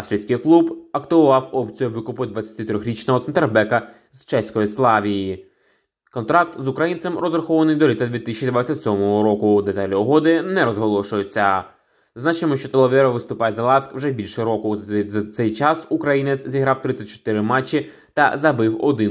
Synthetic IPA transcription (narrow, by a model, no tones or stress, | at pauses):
ɐfst̪ɾʲisʲkɪjklˠubɐkt̪ɪʊʋɑwɔpt͡sʲijʊʋɪkʊpʊd̪ʋɐt͡sʲsʲɐ̥t̪ɪt̪ɾʲɔxʲɾʲit͡ʃnɔɦɔt̪sɛnt̪erbɛkɐ | z̥t͡ʃɛsʲkɔjislˠɑʋʲiji | kɔnt̪ɾɑkt̪zʊkɾɐjint͡s̪ʲɛmɾɔzrɐxɔʋɐnɪjd̪ɔlʲit̪ɐd̪ʋʲit̪ɪsʲt͡ʃʲid̪ʋat͡sʲːɐtʲsʲɔmɔɦɔɾɔkʊd̪et̪ɑlʲiɔɦɔd̪ɪnɛɾɔzɦɔlˠɔʃʊjʊt͡sʲːɐ | znɑt͡ʃemɔʃt͡ʃɔt̪ɔlˠɔʋɛɾɔʋɪst̪ʊpɑjɛzɐlˠɑskwʒɛbʲilʲʃɛɾɔkʊzɐsɛjt͡ʃɑsukɾɐjinet͡s̪ʲzʲiɦɾɑwt̪ɾɪt͡sʲːɐt̚ʲt͡ʃɔ̥t̪ɪɾɪmɑt͡ʃːi | t̪ɐ̰zɐbɪwɔ̰d̪ɪn